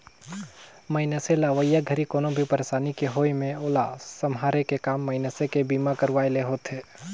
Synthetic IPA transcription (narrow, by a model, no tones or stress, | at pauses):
məɪnəselaʋəjaɡʱəɾikoːnõbʱipəɾesaːnikeɦoːjmẽoːlasəmɦaːɾekekaːmːəɪnəsekebiːmakəɾʋaːeleɦoːt̪ɦeː